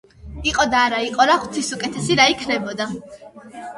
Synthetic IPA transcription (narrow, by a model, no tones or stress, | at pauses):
iqʼɔd̪aːɾaiqʼɔɾaχʰt̪ʰisukʼɛt̪ʰɛsiɾaikʰnɛbɔd̪a